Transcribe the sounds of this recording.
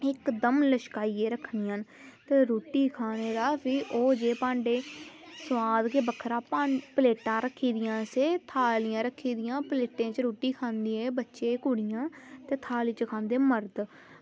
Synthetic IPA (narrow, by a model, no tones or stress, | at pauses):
ɪkd̪əmləʃkaːiːeːɾəkʰnɪjãːn | t̪eːɾoːʈiːkʰaːneːɾaːpʰɪʔoːd͡ʒeːpãːɳɖeːsʋaːd̪keːbəkʰːɾãːpaːpəleːʈãːɾəkʰːiːd̪ɪjãːseːt̪ʰaːlɪjãːɾəkʰːiːd̪ɪjãːpleːʈẽːt͡ʃɾoːʈiːkʰãːnd̪iːeːbətːʃeːkʊɽɪjãːt̪eːt̪ʰaːliːt͡ʃkʰãːnd̪eːməɾd̪